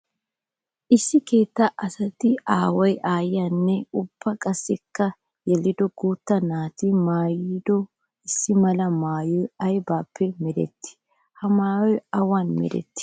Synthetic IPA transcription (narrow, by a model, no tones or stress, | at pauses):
ʔɪsːɪke̞ːt̪ːɐʔɐsɐt̪ɪaːwɔjʔaːjɪjanːɛʊb̥ːɐkʼɐsːɛkːɐ | jɛlɪd̪ɔɡuːt̪ːɐnaːt̪ɪmaːjd̪ɔ | ɪsːɪmɐlɐmaːjɔjɐjbaːpːɛmɛd̪ɛ̰t̪ːɪ̥ | hɐmaːjɔjɐwanmɛ̰d̪ɛ̰t̪ːɪ̥